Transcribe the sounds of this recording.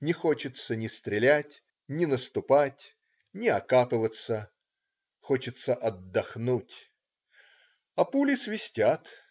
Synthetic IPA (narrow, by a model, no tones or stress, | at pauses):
nʲɪxo̞t͡ɕɪt̪sənʲɪst̪ɾʲɪlʲætʲ | nʲɪnəst̪ʊpatʲ | nʲɪɐkapɨvət̪sə | xo̞t͡ɕɪt̪səʔɐd̪ːɐxnutʲ | ɐpulʲɪsvʲɪsʲtʲat̪